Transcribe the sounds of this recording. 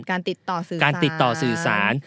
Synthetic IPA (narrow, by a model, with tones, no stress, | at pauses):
kaː˧nt̪i˨˩t̪ːɔː˨˩sɯː˨˩kaː˧nt̪i˨˩t̪ːɔː˨˩sɯː˨˩saː˩˦n